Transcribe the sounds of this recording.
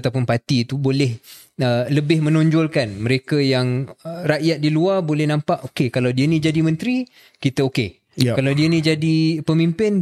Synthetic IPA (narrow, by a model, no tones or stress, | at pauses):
t̪awpʊnpat̪it̪ubolɛh | ələbɪhmə̃noɲd͡ʒɔlkanməɾekajaŋraʔjat̪̚diluarbolɛhnampaʔokekalawdiənĩd͡ʒadimə̃nt̪ɾi | kit̪əoke | kalawdiənĩd͡ʒadipəmimpɪn